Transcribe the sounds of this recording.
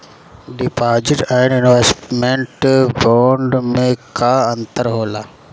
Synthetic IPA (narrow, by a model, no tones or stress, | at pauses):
ɖɪpaːɾd͡ʒɪʈɛɪɳɖɪnʋesʈmẽɳʈbaːɳɖmẽkaɐ̃nt̪əɾɦoːlaː